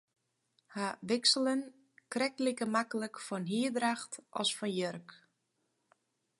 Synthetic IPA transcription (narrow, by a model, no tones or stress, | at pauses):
haʋɪksələn | krɛk̚likəmakələkfɔnɦiədraxtʔɔ̰sfɔnjørk